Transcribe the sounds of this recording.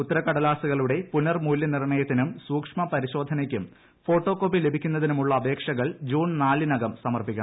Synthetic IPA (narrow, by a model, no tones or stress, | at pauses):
ut̪ːɐɾɐkɐɽɐlaːsuɣɐɭuɽe̞punːɐrmuːljɐnirɳɐjɐt̪ːinumsuːkʂmɐpɐɾiɕo̞ːd̪ʱɐnɐkʲːum | fo̞ːʈːo̞ːkːoːpːile̞bʱikʲːunːɐðinumuɭːɐːbʱe̞ːkʂɐɣɐɭd͡ʑuːɳnaːlːinɐɣɐmsɐmɐrpikʲːɐ